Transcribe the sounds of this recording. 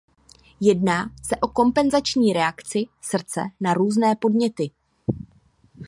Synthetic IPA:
jɛdnaːsɛʔo̞ko̞mpɛnzat͡ʃɲiːɾɛakt͡sɪsr̩t͡sɛ̰naɾuːznɛːpo̞dɲɛt̪ɪ

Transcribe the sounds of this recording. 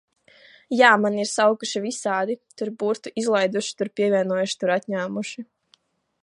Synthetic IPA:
jaːmaniɾsawkuʃivisaːd̪it̪uɾbuːɾt̪uʔizlˠajd̪uʃi̥t̪uɾpʲiɛvʲiɛnɔjuʃi̥t̪uɾat̪ɲaːmuʃi

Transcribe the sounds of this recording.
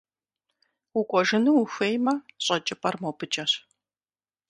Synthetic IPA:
ʊkʷʼɔʒɨnuwuxʷeːjmɐɕʼɐt͡ʃʼɪpʼɐrmowpʰɨt͡ʃʼɐɕ

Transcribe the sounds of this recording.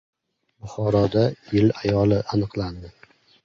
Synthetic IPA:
bʊχɒɾɒd̪ajɪlajɒlˠɪʔanɨqlˠand̪ɪ

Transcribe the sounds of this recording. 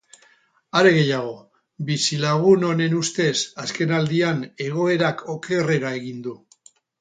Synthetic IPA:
aɾe̞ɣe̞jaɣ̞o̞ | bisilaɣ̞uno̞ne̞nust̪e̞saske̞nald̪iane̞ɣ̞o̞e̞ɾakʰo̞ke̞re̞ɾae̞ɣind̪u

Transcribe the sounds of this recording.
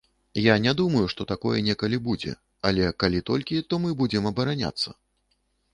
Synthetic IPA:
janʲɛd̪umɐjuʂt̪ɔt̪akɔjɛnʲɛkɐlʲibud͡zʲɛ̰ | ɐlʲɛkalʲit̪ɔlʲkʲit̪ɔmɨbud͡zʲɛmɐbɐɾanʲa̰t̪sːɐ̰

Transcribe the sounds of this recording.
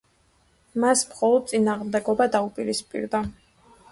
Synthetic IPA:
masmχɔlˠɔd̪̚sʼinaːʁmd̪ɛɡɔbad̪aupʼiɾispʼḭɾd̪a

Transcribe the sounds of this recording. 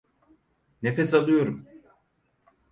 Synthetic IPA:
nefɛs̬alˠɯjo̞ɾum

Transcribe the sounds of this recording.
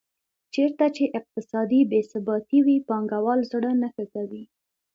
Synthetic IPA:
t͡ʃeɾt̪at͡ʃeʔɪq̚t̪ɪsɑd̪ibesabɑt̪iwipɑŋɡawɑlzɽənaxəkawi

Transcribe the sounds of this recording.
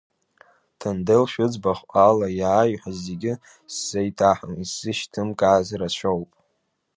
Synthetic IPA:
tʰandɨlʃᶣʊd͡zbaχʷalajaːjħazeɡʲɪ | sːajtʰaħanisɨʃtʰɨmkʼaːzraʃʷowpʼ

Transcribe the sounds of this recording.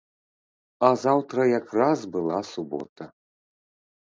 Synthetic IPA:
azawt̪ɾɐjakrazbɨlˠasubɔ̰t̪ɐ

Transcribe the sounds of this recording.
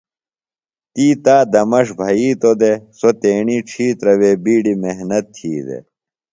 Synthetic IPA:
t̪iːt̪aːd̪ɐmɐʂbʱɐiːt̪od̪esot̪eːɳiʈ͡ʂʰiːt̪ɾɐweːbiːɖimeɦnɐt̪ʰːiːd̪ḛ

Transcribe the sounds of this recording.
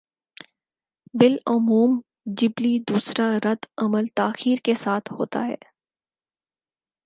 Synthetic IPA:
bɪlʊmuːm | d͡ʒɪblid̪uːsɾaɾɐd̪ɐməlt̪aːxiːɾkesaːt̪ʰho̰ːt̪a̰ɦɛ̰ː

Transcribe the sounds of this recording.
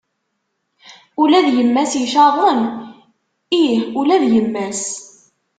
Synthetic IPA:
ulæðjəmːæsjiʃɑðˤən | iulæðjəmːæs

